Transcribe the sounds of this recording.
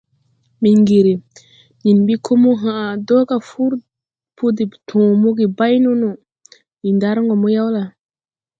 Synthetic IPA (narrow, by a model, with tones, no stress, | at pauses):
mi˨ŋɡi˨ɾi˨ | ɲi˨nɓi˦kʰo˦mu˦ɦã˨do˦ka˨fu˦ɾ | pu˦di˨ptʰõː˨mu˦ɡi˨ba˦jnu˦nu˨ | mi˨nda˦ɾŋɡo˨mu˦ja˦wla˨